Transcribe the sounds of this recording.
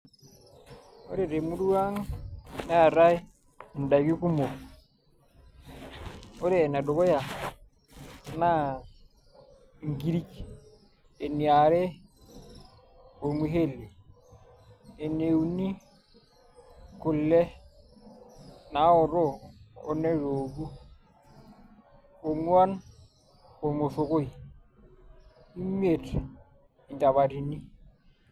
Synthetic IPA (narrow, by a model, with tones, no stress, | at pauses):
o̰˦ɾe˦˨ɾe˨mu˦du˦wa˦ŋna˦a˨ɾa˦j | n˨da˨i˨ki˦ku˦mo˨ | o˦ɾeː˦˨na˨do˨ko˦ja˨ | na˦˨ | ŋɡi˦ɾi˦k | e˨ni˨a˨ɾɛ˦ | o˨ɾmi˨ɦe˦˨le˨ | e˨ne˨wu˨ni˦ | ku˨lːe˦ | na˨˦o˨ɾo˦o˦ne˦ɾo˨ɡu˦ | o˨ŋwa˦n | o˨mo˨fo˨ko˦i˨ | u˦mi˦e˨t | i˨nta˨βa˨ɾi˨ni˦